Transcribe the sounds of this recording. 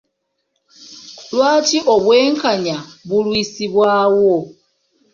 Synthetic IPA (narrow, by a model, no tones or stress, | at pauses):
lwaːtiʔo̞βwe̞ːŋkaɲaβulwiːsiβwaːwo